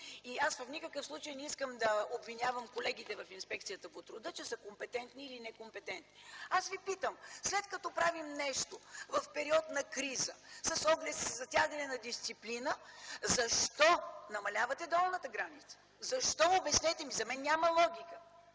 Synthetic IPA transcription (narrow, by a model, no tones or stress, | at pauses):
iasvəfnikəkəfslˠut͡ʃəjnɛiskəmd̪ɐobvinʲavəmkolɛɡ̟it̪ɛvɐfinspɛk̚t̪sijət̪əpot̪ɾʊd̪ət͡ʃɛsəkompɛt̪ɛnt̪niːlinɛkompɛt̪ɛnt̪niasvipit̪əmslɛt̪kɐt̪ɔpɾavimnɛʃt̪ovɐfpɛɾiɔt̪nɐkɾizəsɐsɔɡlɛt̪szɐt̪ʲjaɡənɛnɐd̪ist̪siplinəzɐʃt̪ɔnɐmɐlʲavɐt̪ɛd̪ɔlˠnət̪əɡɾanit̪sə̥ | zɐʃt̪ɔobɛsnɛt̪ɛmizɐmɛnːʲaməlˠɔɡʲikə